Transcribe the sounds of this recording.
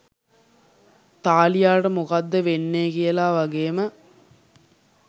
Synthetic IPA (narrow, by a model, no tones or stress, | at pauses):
t̪aːlijaːʈɐmukad̪ːəʋenːeːkijɐlaːʋɐɡeːmə